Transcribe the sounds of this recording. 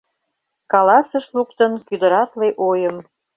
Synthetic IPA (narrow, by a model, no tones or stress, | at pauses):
kɑlɑsəʃlukt̪ənkyd̪ə̆ɾɑt̪leʔojəm